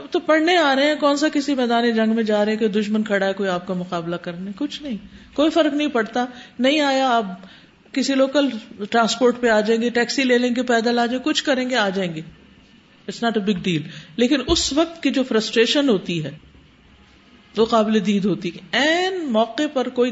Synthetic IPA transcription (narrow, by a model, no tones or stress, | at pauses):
t̪opɐɽneaːɾɐɦẽɛ̃kɔːnsakɪsimɛːd̪aːned͡ʒɐ̃ŋɡmẽd͡ʒaːɾɐɦɛ̃ked̪ʊʃmənkʰɐɽaɦɛkoːiaːp̚kamʊqaːblakɐɾnekʊt͡ʃʰnɐɦĩkoːifɐɾknɐɦĩpɐɽt̪anɐɦĩaːjaːp | kɪsiloːkəlʈɾãːspoːɾʈpeaːd͡ʒaːẽːŋɡeʈɛːksileːlẽːŋɡepɛːd̪alaːd͡ʒaẽkʊt͡ʃʰkɐɾẽːŋɡeaːd͡ʒaːẽːŋɡeː | ɪʈsnaːʈebɪɡɖiːlleːkɪnʊsʋɐq̚t̪kid͡ʒoːfɾəsʈɾeːʃənɦoːt̪iɦɛː | ʋoqaːbled̪iːd̪ɦoːt̪iɛːnmɔːqepɐɾkoːi